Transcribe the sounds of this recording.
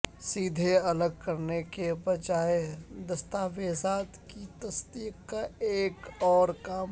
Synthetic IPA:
siːd̪ʱeɐləɡ̚kɐɾnekebɐd͡ʒaːed̪ɐst̪aːʋeːzaːt̪kit̪ɐst̪iːkkaeːkɔːɾkaː

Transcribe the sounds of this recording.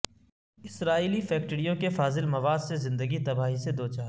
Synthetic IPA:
ɪsɾaːiːlifɛːk̚ʈəɽijõkefaːzɪlmɐʋaːd̪sezɪ̃nd̪əɡit̪ɐbaːɦised̪oːt͡ʃaː

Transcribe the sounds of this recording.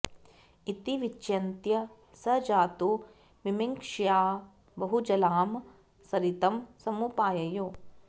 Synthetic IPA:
it̪iʋit͡ʃːjɐnt̪jɐ | sɐd͡ʒaːt̪u | mimiŋkʂjaː | bɐɦud͡ʒɐlaːm | sɐɾit̪ɐmsɐmupaːjɐjoː

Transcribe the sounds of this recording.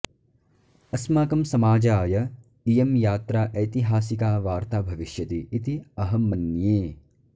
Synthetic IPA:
ɐsmaːkɐmsɐmaːd͡ʒaːjɐ | ijɐmjaːt̪ɾaːʔɐjt̪iɦaːsikaːʋaːɾt̪aːbʱɐʋiʃjɐt̪iːt̪iɐɦɐmɐnjeː

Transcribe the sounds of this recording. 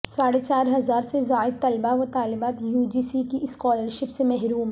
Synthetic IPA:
saːɽet͡ʃaːɾɦɐzaːɾsezaːɪd̪̚t̪ɐlbaɦot̪aːlɪbaːt̪juːd͡ʒiːsikiʔɪskɔːləɾʃɪpsemɛɦɾuːm

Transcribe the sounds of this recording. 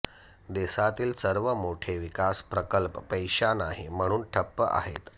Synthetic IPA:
d̪esat̪iːlsəɾʋəmoʈʰeʋikaspɾəkəlpːəjɕanaɦim̤əɽ̃uːnʈʰəpːəʔa̰ɦḛt̪

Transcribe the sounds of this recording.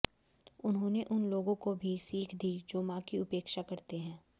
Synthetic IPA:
ʊnɦõːneʔʊnloːɡõkobʱisiːkʰd̪id͡ʒoːmãːkiʊpeːkʃakɐɾt̪eɦɛ̃ː

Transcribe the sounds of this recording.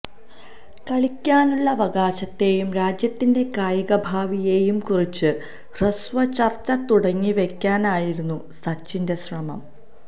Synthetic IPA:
kɐɭikʲːaːnuɭːɐʋɐɡaːɕɐt̪ːe̞ːjumɾaːd͡ʑjɐt̪ːinde̞kaːjɐɣɐbʱaːʋije̞ːjumkurit͡ɕːɨ | rɐsʋɐt͡ɕɐrt͡ɕːɐt̪uɽɐŋːiʋe̞kʲːaːnaːjiɾunːusɐt͡ɕːinde̞srɐmɐ̰m

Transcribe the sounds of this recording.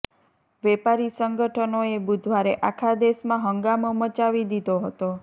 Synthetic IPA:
ʋɛpaɾisəŋɡəʈʰənoebud̪ʱʋaɾeʔakʰad̪esmãɦəŋɡamomət͡ʃaʋid̪id̪oɦət̪o

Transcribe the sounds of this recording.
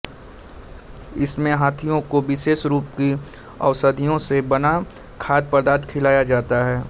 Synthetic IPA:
ɪsmẽɦaːt̪ʰijõkoʋɪʃeːʃɾuːpki | ɐ̰ʋsəd̪ʱijõsebɐna | kʰaːd̪̚pɐɾd̪aːt̪kʰɪlaːjad͡ʒaːt̪aɦɛː

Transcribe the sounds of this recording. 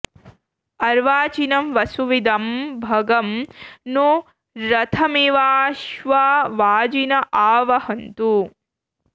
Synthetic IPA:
ɐɾʋaːt͡ʃinɐmʋɐsuʋid̪ɐmbʱɐɡɐmnu | ɾɐt̪ʰɐmeʋaːʃʋaːʋaːd͡ʒinɐʔaːʋɐhɐnt̪u

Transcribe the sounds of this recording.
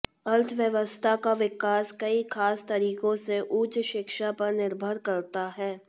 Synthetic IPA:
ɐlt̪ʰʋjəʋəst̪ʰakaʋɪkaːskɐikʰaːst̪ɐɾiːkõseʔuːt͡ʃʃɪkʃapɐɾnɪɾbʱəɾkɐɾt̪aɦɛː

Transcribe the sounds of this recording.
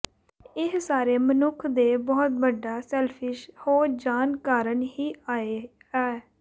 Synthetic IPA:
ɪɦsaːɾeːmənʊkʰd̪eːbɔːt̪̚bəɖːaːsɛːlpʰɪʃhoːd͡ʒaːnkaːɾənhiːaːe | ɛː

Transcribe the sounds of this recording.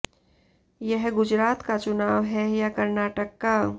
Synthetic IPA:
jəɦɡʊd͡ʒɾaːt̪kat͡ʃʊnaːʋɦɛjakɐɾnaːʈəkːa

